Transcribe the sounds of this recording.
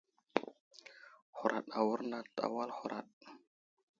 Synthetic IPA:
hu˨ɾʔa̰˨ɗa˨wu˦ɾna˨ta̰˨wa˦lhu˨ɾʔa̰˨ɗ̚

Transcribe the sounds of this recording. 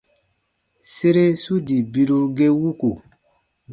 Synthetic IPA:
se˦ɾe˦su˦di˨bi˦ɾu˦ɡe˦wu˦ku˨

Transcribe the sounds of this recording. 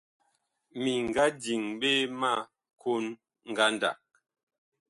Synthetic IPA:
mi˨ŋ˨ɡa˦di˨ŋɓe˦ma˦˨ | kʰo˦n | ŋ̩˨ɡa˦nda̰˨k̚

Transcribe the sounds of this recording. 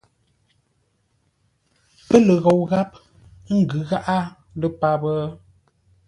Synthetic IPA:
pə˦lə˨ɣo˨wɣa˦p̚ | ŋ̩˦˨ɡʉ˨˦ɣa˦ʔa˦ | lə˦pa˦bə˦

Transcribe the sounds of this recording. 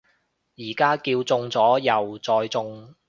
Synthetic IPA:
jiː˨˩kaː˥kiː˧wt͡sʊ˧ŋt͡sɔː˨˥jɐ˨wt͡sɔː˧jt͡sʊ˧ŋ

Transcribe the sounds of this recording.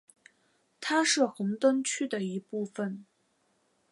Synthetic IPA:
t̪ʰa˥ʂɻ̩˥˩xɤ˧˥ŋt̪ə˥nt͡ɕʰy˥d̪ə˨i˧˥pu˥˩fə˩n

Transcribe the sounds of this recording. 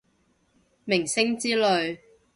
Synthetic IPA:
mɪ˨˩ŋsɪ˥ŋt͡siː˥lɵ˨˧ɥ

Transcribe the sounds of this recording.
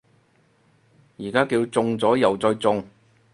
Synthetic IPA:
jiː˨˩kaː˥kiː˧wt͡sʊ˧ŋt͡sɔː˨˥jɐ˨˩wt͡sɔː˧jt͡sʊ˧ŋ

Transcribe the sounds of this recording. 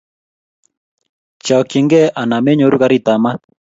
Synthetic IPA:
t͡ʃa˨ki˨ŋɡɛ˦ʔa˨na˨me˦ɲo˨˦ɾu˦ka˦ɾi˦˨t̪a˨ma˦

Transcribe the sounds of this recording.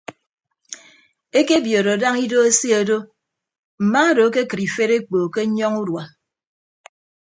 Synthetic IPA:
e˦ke˦bjo˨ɾo˨da˦ŋi˦do˦e˦si˦a˨do˦ | m̩˨ma˦do˨˦ke˦kɨ˨ɾi˨fe˦ɾe˦k͡po˨ke˦ɲɔ˦ŋu˦dwa˨

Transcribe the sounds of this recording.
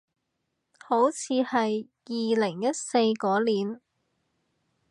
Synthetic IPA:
ho˨˥wt͡sʰiː˨˧hɐ˨j | jiː˨lɪ˨˩ŋjɐ˥t̚se˧jkɔː˨˥liː˨n

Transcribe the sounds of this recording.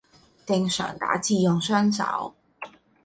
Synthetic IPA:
t̪ɪ˨˧ŋsœ̰ː˨˩ŋt̪a̰ː˨˥t͡siː˧jʊ˨ŋsœː˥nsɐ̰˧˨˥w

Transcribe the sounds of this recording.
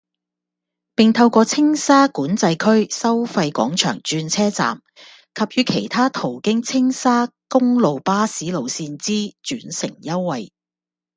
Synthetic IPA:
pɪ˨ŋt̪ʰɐ˧wkɔː˧t͡sʰɪ˥ŋsaː˥kuː˨˥nt͡sɐ˧jkʰɵ˥ɥsɐ˥wfɐ˧jkʷɔ̰ː˨˥ŋt͡ʃʰœ̰ː˨˩ŋt͡ʃyː˧nt͡sʰɛː˥t͡sa̰ː˨˩m | kʰɐ˨p̚jyː˨˧˥kʰe˨˩jt̪ʰaː˥t̪ʰo˨˩wkɪ˥ŋt͡sʰɪ˥ŋsaː˥kʊ˥ŋlo˨wpaː˥siː˨˥lo˨wsiː˧nt͡siː˥t͡ʃyː˨˥nsɪ̰˨˩ŋjɐ˥wːɐ˨˧j

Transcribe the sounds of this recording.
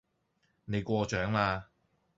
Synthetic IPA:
ne˨˧jkʷɔː˧t͡ʃœː˨˥ŋlaː˧

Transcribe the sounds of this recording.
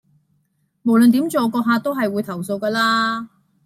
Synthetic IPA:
mo˨˩wlɵ˨nt̪̬i˨˥mt͡soː˨˧kɔː˧ɦaː˧t̪o˥wɦɐ˨jwuː˨˧jt̪ʰɐ˨˩wso˧wkɐː˧laː˥

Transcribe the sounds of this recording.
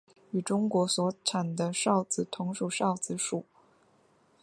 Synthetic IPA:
y˨˩ʈ͡ʂʊ˥ŋkwɔ˧˥swɔ˧˥ʈ͡ʂʰa˨˩nd̪ə˦ʂɑ˥˩ʊt͡sɹ̩˨˩t̪ʰʊ˧˥ŋʂu˨˩ʂɑ˥˩ʊt͡sɹ̩˧˥˩ʂu˨˩˦

